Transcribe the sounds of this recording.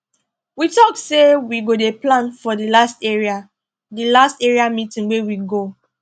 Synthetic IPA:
witɔk̚sewiɡodeplãnfɔdilastɛɹia | dilastɛɹiamitĩŋwewiɡo

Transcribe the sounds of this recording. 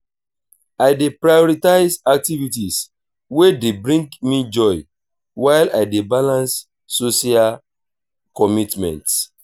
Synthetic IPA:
ajdepɹajɔɹitaɪsak̚tivitis | wedebɹĩŋɡmid͡ʒɔj | waɪlaɪdebalãnsː | osial | kɔmitmɛ̰̃nts

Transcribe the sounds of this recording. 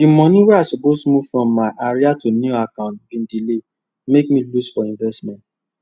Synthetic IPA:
dimɔ̃nĩwɛaɪsɔpostumuv̥fɹɔ̃mːaɪʔaɹiatunuakãʊ̃ntbĩndile | mek̚mĩlusfɔĩnvɛstmɛ̃nt

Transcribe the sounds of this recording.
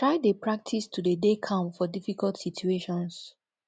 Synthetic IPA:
tɹaɪdepɹak̚tʰistʰudedekʰãmfɔdifikaltsitʰueʃɔ̃ns

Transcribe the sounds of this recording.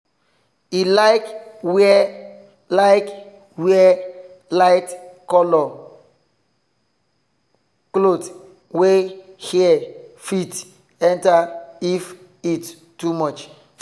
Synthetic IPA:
ilaɪkwɛ | laɪk | wiɛɛ | laɪtkɔlɔ | klot | wehiɛfit | ɛ̃ntaif | it | tːumɔt͡ʃ

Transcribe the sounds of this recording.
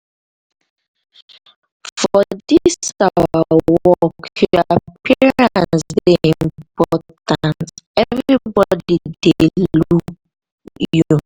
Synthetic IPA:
fɔdiisawawɔkjuapʰiɹãnssdeĩmpɔtãntɛvɹibɔdideluk | ju

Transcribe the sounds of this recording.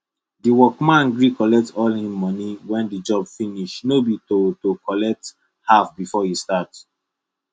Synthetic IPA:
diwɔkmãnɡɹikɔlɛk̚tɔlhĩmːɔniwɛ̃ndid͡ʒɔbfiniʃnobitotokɔlɛk̚t | hafbifɔhistats

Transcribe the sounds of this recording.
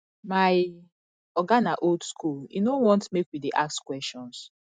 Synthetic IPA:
maj | ɔɡanaʔoldskʰulḭnowɔ̃ntmekwideʔakskwɛstɔ̃ns

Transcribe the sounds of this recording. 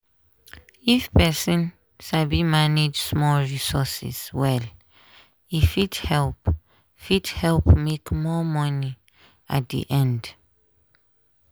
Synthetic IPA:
ifpɛsɔ̃n | ʃabimaned͡ʒsmɔlɹisɔsḭswɛl | ifidhɛlp | fidhɛlpmekmɔmɔni | a̰t̚dḭʔɛ̃nd

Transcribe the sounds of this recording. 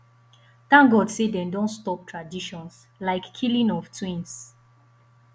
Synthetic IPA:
tãŋɡɔdsedɛ̃ndɔ̃nstɔp̚tʰɹadiʃɔ̃ns | laɪkʰːilĩnɔftʰwĩns

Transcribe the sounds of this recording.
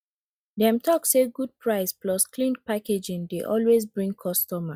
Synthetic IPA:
dɛ̃mtʰɔkseɡud̚pʰɹaɪsplɔskʰlĩnpaked͡ʒĩndeʔɔ̰lwezbɹĩŋkʰɔstɔma

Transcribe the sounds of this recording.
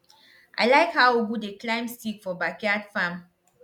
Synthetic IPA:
ʔa̰ɪlaɪkhaʊubudeklãɪ̃msikfɔbakadfãm

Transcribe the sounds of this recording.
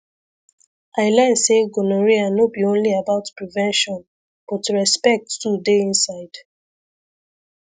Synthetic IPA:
ʔaɪlɛ̃nseɡonoɹianobiõnliabaʊtpɹivɛ̃nʃɔ̃n | b̥ɔtɹɛspɛk̚ttudeĩnsaɪd̥

